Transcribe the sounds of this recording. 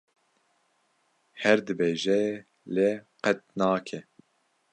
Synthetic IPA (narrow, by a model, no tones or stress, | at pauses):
hɛɾd̪ɨbeːʒɛ | leqɛt̪̚nɑːkʰɛ